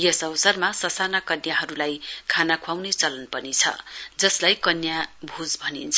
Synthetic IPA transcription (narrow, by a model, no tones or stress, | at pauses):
jʌsʌwsʌrmasʌsanakʌnjaɦʌɾulajkʰanakʰwawnet͡sʌlʌnpʌnit͡sʰʌ̰d͡zʌslajkʌnjabʱud͡zbʱʌnḭnt͡sʰ